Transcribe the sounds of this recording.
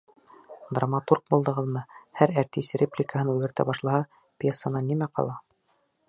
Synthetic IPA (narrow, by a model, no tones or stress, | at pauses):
d̪ramat̪urk̚bulˠd̪ɤ̆ʁɤðmɤhæɾæɾt̪isrʲeplʲɪkaɦɤnʉɡɘ̆ɾt̪æ̰bɑʃlˠɑhɑ | pʲjesːanɑnimæqʰɑ̰lˠɑ